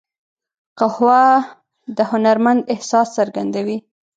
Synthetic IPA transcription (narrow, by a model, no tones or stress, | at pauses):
qahwɑ | d̪əhʊnaɾmand̪ɪhsɑsːaɾɡand̪awi